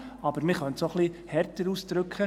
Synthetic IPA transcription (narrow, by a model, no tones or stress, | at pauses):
ɑb̥əɾmɪχœntsoχlihɛrtəɾuːsd̥ɾɵkχə